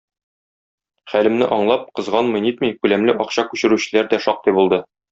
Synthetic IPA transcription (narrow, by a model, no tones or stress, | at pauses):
χælɘ̆mnɘ̰ʔɒɴlˠɑp̚qɤ̆zʁɑnmɤ̆jnit̪mɤjkʉlæmlɘʔɒqɕɑkʉɕɘ̆ɾʉɕɘ̆læɾd̪æʃɒq̚t̪ɤjbulˠd̪ɤ